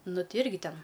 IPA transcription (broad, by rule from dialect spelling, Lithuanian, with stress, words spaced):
ˈnʊ ˈtʲɪ ˈɪrʲɡʲɪ ˈtʲɛn